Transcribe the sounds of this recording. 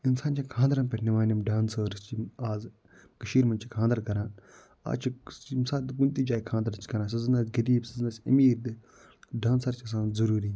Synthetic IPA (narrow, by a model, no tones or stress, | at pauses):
insaːnt͡ʃʰãkʰãːnd̪ɾaːpʲɐʈʰnemaːnimɖaːnsəːɾst͡ʃiaːz | kɐʃiːɾmɐnt͡ʃʰikʰãːnd̪ɐɾkɐɾãː | a̰ːt͡ʃʰit͡ʃimsaːd̪kunt̪iːd͡ʒaːikʰãːnd̪ɐɾt͡ʃʰi̥kɐɾãːs̬ɐzɨnaːsɡɐɾiːbsɐznasʲɐ̰miːɾd̪ɨ | ɖaːnsɐɾt͡ʃʰiɐs̬ãːnzɐɾuːɾi